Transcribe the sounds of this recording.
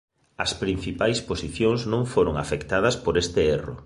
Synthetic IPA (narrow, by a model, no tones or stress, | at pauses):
ɐspɾin̟θipajsposiθjoŋznõŋfoɾoŋa̰fekt̪aðɐspoɾest̪ɪerʊ̰